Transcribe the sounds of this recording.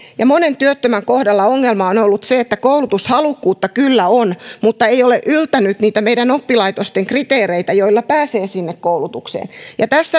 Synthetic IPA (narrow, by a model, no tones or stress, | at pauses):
jɑmonent̪yøt̪ːømæŋkohdɑlːɑoŋːelmɑonolːut̪seet̪ːækoulut̪ushɑlukːuːt̪ːɑkylːæonmut̪ːɑeijoleʔylt̪ænyt̪niːt̪æmeidænopːilɑit̪ost̪eŋkrit̪eːreit̪æjoilːɑpæːseːsinːekkoulut̪uksḛːnjɑt̪æsːæ